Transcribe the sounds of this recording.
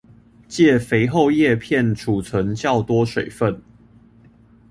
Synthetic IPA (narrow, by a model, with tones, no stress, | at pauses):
t͡ɕjɛ˥˨fe˧˥ɪxo˥˧ʊjɛ˥˨pʰjɛ˥˨nʈ͡ʂʰu˨˩t͡sʰə˨˦ŋt͡ɕjɑ˥˨ʊt̪wɔ˥˦ʂwe˨˩ɪfə˥˨n